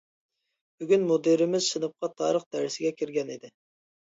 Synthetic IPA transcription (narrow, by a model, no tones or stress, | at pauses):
b̥yɡʲynmod̪ɨɾɪmɪzʃɨnɨp̚qɑt̪ʰɑːɾəχd̪æɾsɪɡʲɛkʲʰiɾɡʲɛnid̪ɪ